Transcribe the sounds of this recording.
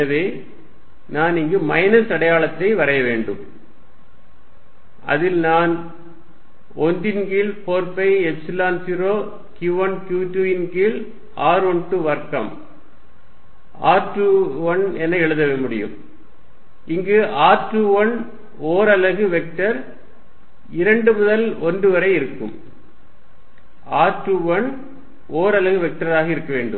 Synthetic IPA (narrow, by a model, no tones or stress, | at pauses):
ɐʋeː | naːnɪŋɡɯmɐɪnɐsɐɽɐjaːɭɐt̪ːɐɪʋɐɾɐjɐʋeːɳɖɯ̰m | ɐ̰ðɪlnaːn | ɔnd̪ɪnɡilpoːɾpɐɪɛbslaːnsiɾoː | kjuʋɐnkjuːʈːuɪnɡɪl | ʔaːɾɔɳʈɯʋɐɾkɐm | aːʈɯʋɐnɛnɐɛɭɯðɐʋemʊɽɪ̰jɯ̰m | ɪŋɡɯʔaːɾʈːuʋɐn | oːɾɐlɐɣɯʋɛk̚ʈɐɾ | ɪɾɐɳɖɯmʊðɐlɔndɯʋɐɾɐɪɪɾɯkːɯ̰m | aːʈːuʋɐn | oːɾɐlɐɣɯʋɛk̚ʈɐɾaːɣɐɪɾɯkːɐʋeːɳɖɯ̰m